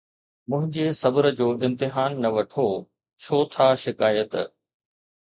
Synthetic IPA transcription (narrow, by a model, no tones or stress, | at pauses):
mʊ̃ɦɪ̃ɲd͡ʑesɐbəɾə̆d͡ʑoːɪ̃mt̪ɪɦaːnːɐʋɐʈʰo | t͡ɕʰoːt̪ʰaʃɪkaːjət̪